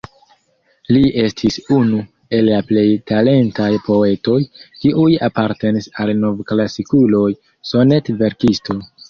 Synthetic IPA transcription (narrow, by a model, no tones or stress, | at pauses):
liʔe̞stʰisunu | e̞lːaple̞jtale̞ntajpo̞e̞to̞jkiʔujapaɾte̞nisalno̞vklasikulo̞j | so̞ne̞tve̞ɾkistʰo̞